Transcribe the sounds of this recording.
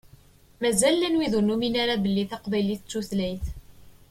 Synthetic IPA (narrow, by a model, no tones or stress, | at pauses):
mæzælːænwiðʊnːuminaɾabəlːiθɑqbæjliθt͡sːuθlæjθ